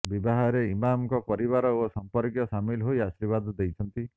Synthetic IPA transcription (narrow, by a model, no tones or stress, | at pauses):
bibaɦaɾeimamkɔpɔɾiβaɾɔosɔmpɔɾkjɔsamilɦojasiɾbad̪d̪ejt͡ʃʰɔnt̪i